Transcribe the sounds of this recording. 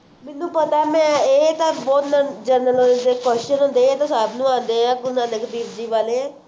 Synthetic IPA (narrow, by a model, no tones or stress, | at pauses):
mɪnːũːpət̪aːmɛ̃ːeːt̪ãːbɔːt̪nãd͡ʒəɾnəlonːd̪eːkwɛst͡ʃənɦõːnd̪eːeːt̪ãːsaːbnũːãːnd̪eːãːɡʊnãːnekəd̪iːbd͡ʒiːʋaːleːɛ̃ː